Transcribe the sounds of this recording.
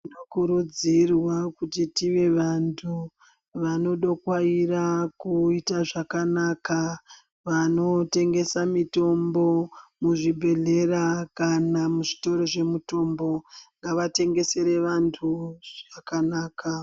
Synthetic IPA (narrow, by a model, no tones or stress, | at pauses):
inokuɾud͡zirwakutitiʋe̞ʋantʰu | ʋano̞ɗokwairakuitaʐakanaka | ʋano̞te̞ŋɡe̞samito̞mbo̞muʐibʱe̞ɮe̞rakanamuʐito̞ɾo̞ʐe̞muto̞mbo̞ŋɡaʋate̞ŋɡe̞se̞ɾe̞ʋantʰuʐ̥akanaːka